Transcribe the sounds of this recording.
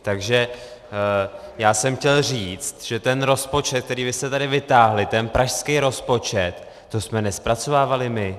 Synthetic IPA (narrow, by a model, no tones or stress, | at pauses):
t̪aɡʒɛ | jaːsɛmxcɛlr̝iːt͡st̪ʒ̥ɛt̪ɛnɾo̞spo̞t͡ʃɛt̪̚k̚t̪ɛɾiːbɪst̪ɛt̪adɪvɪt̪aːɦlɪt̪ɛnpɾʔaʃskɛjɾo̞spo̞t͡ʃɛt̪ː | osmɛnɛspɾat͡so̞vaːvalɪmɪ